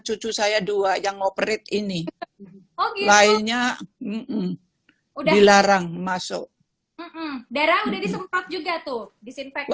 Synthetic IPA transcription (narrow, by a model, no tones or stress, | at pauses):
t͡ʃut͡ʃusajaduajaŋopɾɪt̪ini | okelaiɲam̩m̩ | udadilaɾaŋmasʊ̰ʔ | m̩m̩daɾaudahdisəmpat̪̚d͡ʒuɡat̪ʊhdisinfɛ